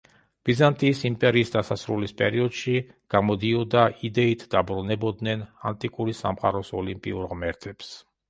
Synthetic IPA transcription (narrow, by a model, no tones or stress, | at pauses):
b̥izant̪ʼiːsimpʼɛɾiːsd̪asasɾulispʼɛɾiɔd̪̥ʃi | ɡ̥amɔd̪iɔd̪aid̪ɛit̪ʰd̪abɾunɛbɔd̪nɛnant̪ʼikʼuɾisa̰mχa̰ɾɔsɔlimpʼḭuɾʁmɛɾt̪ʰʼɛps